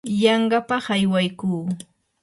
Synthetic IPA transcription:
jɑɴɢɑpɑχajwajkuː

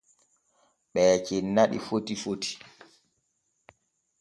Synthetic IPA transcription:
ɓɛːt͡ʃɛnːaɗḭfotifoti̥

